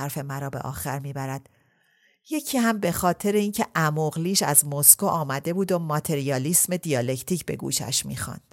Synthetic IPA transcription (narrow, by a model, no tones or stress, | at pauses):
æɾfe̞mæɾɒːbeʔɒ̰ːxæɾmiːbæɾæd̪̥ | je̞cʰiːhæmbe̞xɒːt̪ʰe̞ɾeiːncʰe̞ʔæmoɣliːʃæzmoskoʔɒːmæd̪e̞buːd̪omɒt̪ʰe̞ɾijɒːliːsme̞d̪ijɒːlecʰt̪ʰiːcbe̞̰ɡṵːʃæ̰ʃmḭːxɑ̰nd̪̥